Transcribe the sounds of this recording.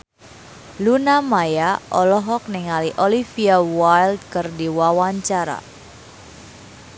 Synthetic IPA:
lunamajaʔɔlɔɦɔk̚niŋaliʔɔlifiawajld̚kərdiwawaɲt͡ʃaɾa̰

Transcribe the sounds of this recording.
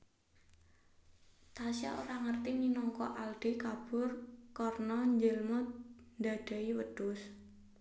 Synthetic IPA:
t̪asja̰o̰ɾaŋərt̪ininɔŋkɔ̰ʔald̪̥ekab̥ʊrkɔrnɔɲd͡ʒəlmɔnd̪a̤d̪̥a̤iwəd̪̥ʊs

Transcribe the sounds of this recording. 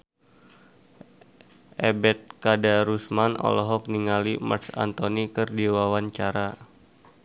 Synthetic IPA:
ʔebɛt̪̚kadaɾusmanɔ̰lɔɦɔk̚niŋalima̰rsa̰nt̪onikərdiwawaɲt͡ʃaɾa

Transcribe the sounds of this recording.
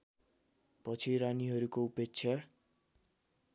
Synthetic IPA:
pʌt͡sʰiɾaniɦʌɾukoupek̚t͡sʰjʌ

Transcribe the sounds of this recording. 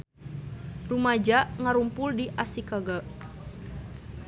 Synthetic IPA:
rumad͡ʒaʔŋaɾumpʊldiʔasikaɡaʔ

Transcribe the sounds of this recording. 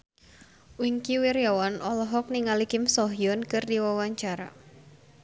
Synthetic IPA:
wiŋkiwiɾjawanɔlɔɦɔk̚niŋalikɪmsɔɦiɔnkɨrdiwawaɲt͡ʃaɾa̰

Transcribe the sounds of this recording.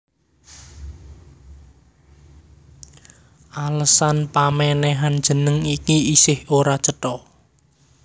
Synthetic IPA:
ʔaləsanpamɛnɛɦand̥ʒ̥ə̤nəŋikiisɪhoɾat͡ʃəʈɔ

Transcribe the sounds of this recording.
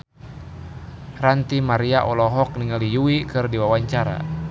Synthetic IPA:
rant̪imaɾiaʔɔlɔɦɔk̚niŋalijuikɨrdiwawaɲt͡ʃaɾa̰

